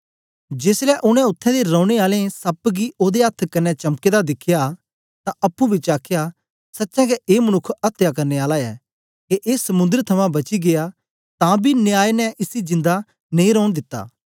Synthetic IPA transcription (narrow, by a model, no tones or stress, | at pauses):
d͡ʒeːslɛʔʊñɛ̃ʊt̪ʰːɛ̃d̪eɾɔːɽ̃eaːlẽsɐpɡiʔoːd̪eɐt̪ʰkɐnːɛt͡ʃɐmked̪ad̪ɪkʰja | t̪ãʔɐpːũbʱit͡ʃaːkʰja | sɐtːʃɛ̃kɛʔeːmɐnʊkʰɐt̪ːjakɐɾneaːlaɛː | keʔeːsɐmʊ̃nd̪əɾt̪ʰɐmãbɐt͡ʃiɡea | t̪ãbʱinɪjaːenɛʔɪsid͡ʒɪ̃nd̪a | nɐ̃ĩɾɔːñd̪ɪt̪ːa̰ː